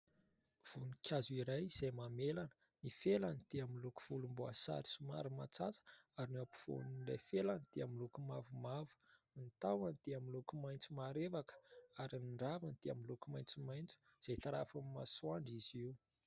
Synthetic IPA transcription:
v̥unikʲʰazuiɾajz̥ajmamelanə̥ | nifelanid̪̥eamiluku̥v̥ulumbua̰sa̰ɾi̥suma̰ɾimat͡sat͡sə̥aɾiniapi̥fo̰nilajfelanid̪̥eamilukumavumavu̥ | nit̪awanid̪̥eamilukumajnt͡sumaɾevakə̥aɾiniɳɖ͡ʐavanid̪̥ea̰milukumajnt͡simajnt͡su̥z̥et̪aɾafamima̰suaɳɖ͡ʐiziw

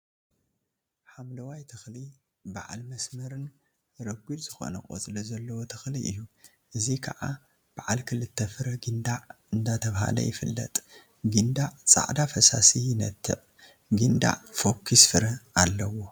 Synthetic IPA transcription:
ħamlɐwajt̪ʰɨxli | baʕa̰lmɐsmɐɾɨn | ɾɐɡʷilz̥ɨxo̞̰nɐ̰kʼo̰t͡sʼɨlɐzɐlːɐwot̪ʰɨxliʔɨjːu | ʔɨzikʰaʕa̰ | b̥aʕalkʰɨlɨt̪ʰːɐfɨɾɐɡɨnd̪aʕ | ɨnd̪at̪ʰɐβha̰lɐ̰jɪfɨlːɐ̰t̪ʼ | ɡɨnd̪aʕt͡sʼa̰ʕd̪afɐsa̰sijɪnɐt̪ʰːɨ̰ʕ | ɡɨnd̪a̰ʕfo̞kʰːisfɨɾɐalːɐwo̞

